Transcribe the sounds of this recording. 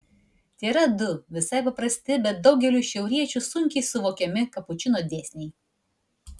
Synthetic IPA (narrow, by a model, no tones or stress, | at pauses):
t̪ʲeːɾɐd̪ʊʋʲɪsɐɪpɐpɾɐsʲt̪ʲɪbʲɛt̪̚d̪ɒʊɡʲɛlʲuʃʲɛʊɾʲiɛt͡ʃʲusʊŋʲkʲɛɪsʊʋoːkʲɛmʲɪkɐpʊt͡ʃʲɪnoːd̪ʲeːsʲnʲɛɪ